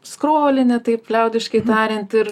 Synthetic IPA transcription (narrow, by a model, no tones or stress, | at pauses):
skɾoːlʲɪnʲɛt̪ɐɪplʲɛʊd̪ʲɪʃkɐɪt̪ɑːɾʲɛnʲt̪ɪɾ